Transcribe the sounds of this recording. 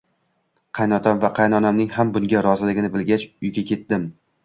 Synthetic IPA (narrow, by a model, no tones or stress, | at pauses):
qʰɑjnɒt̪ʰɒmvaqʰɑjnɒnɒmnɪŋhambʊŋɡʲaɾɒzɪlɪɡʲɪnɪbɪlɡʲat͡ʃʊjɡʲakʲʰe̞t̪̚d̪ɪm